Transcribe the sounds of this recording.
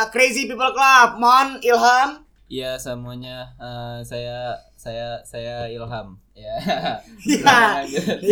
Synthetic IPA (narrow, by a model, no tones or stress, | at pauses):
kɾezipipəlklap̚mɔnilɦam | ijasəmuaɲaəsaja | sajasajailɦam | ja | ja